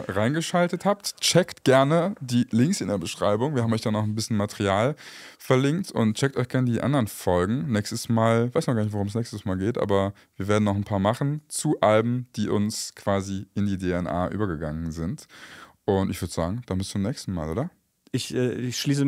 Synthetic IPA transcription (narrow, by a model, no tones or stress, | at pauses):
ʁaɪnɡəʃaltəthap̚tt͡ʃɛktɡ̥ɛɐnədiːlɪŋksɪndeːɐbəʃʁ̥aɪbʊŋviɐhamʔɔçd̥anɔχnbɪsçənmatʰɛʁiaːlfɛɐlɪŋktʰʊ̰ntt͡ʃɛk̚tɔ̰çɡ̥ɛɐnədiːʔa̰ndəʁənfɔlɡŋ̩nɛːçstəsmaːlvaɪsnɔχɡaɐːnɪç̬tvoʁʊmsnɛːçstəsmaːlɡeːtʔa̰ːbɐ | viːɐveːɐdn̩nɔχn̩pʰaːɐmaχn̩t͡suʔalbm̩d̥iːʔʊ̰nskʰv̥aːziʔɪndiːdeɛnʔa̰ːʔy̰ːbɐɡəɡaŋənzɪntʔʊntɪçv̥ʏɐdəz̥a̰ːɡŋ̩d̥anmbɪst͡sʊmnɛːçstn̩ma̰ːlʔo̰ːdɐ | ʔɪçɛːɪçʃliːs̬ə